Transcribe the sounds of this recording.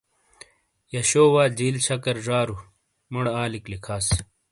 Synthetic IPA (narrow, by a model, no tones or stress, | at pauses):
jɐɕoːwaːd͡ʑiːlɕɐkɐɾʐaːɾu | muɽaːliklikʰaːs